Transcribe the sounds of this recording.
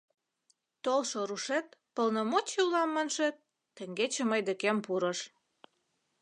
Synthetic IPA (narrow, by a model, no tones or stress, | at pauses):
t̪olʃŏɾuʃet̪̚pə̆lnə̆mot͡ɕeulɑmːənʃĕt̪̚ː | ə̆ŋɡet͡ɕĕməjd̪ĕkempuɾə̆ʃ